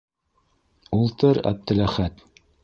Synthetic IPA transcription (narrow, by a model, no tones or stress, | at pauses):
ulˠt̪ɤɾæ̰b̚t̪ɘ̆læχæt̪